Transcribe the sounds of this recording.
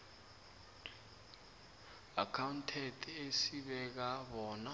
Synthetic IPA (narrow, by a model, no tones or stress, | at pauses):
akʰawuntʰɛtʰesiɓɛk̬aɓɔːna